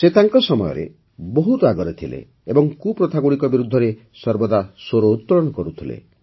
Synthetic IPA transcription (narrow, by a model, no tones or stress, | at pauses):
set̪aŋkɔsɔmɔjɔ̰ɾḛ | bɔɦut̪ɔaɡɔɾɔt̪ʰilḛ | ebɔŋkupɾɔt̪ʰaɡuɽikɔbiɾud̪ʱːɔɾe | sɔɾbɔd̪asoɾout̪̚pɔɾɔnɔkɔɾut̪ʰilḛ